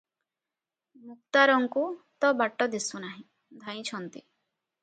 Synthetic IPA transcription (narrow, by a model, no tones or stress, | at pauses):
mukt̪aɾɔŋkut̪ɔbaʈɔd̪isunaɦĩ | d̪ʱaj̃t͡ʃʰɔnt̪i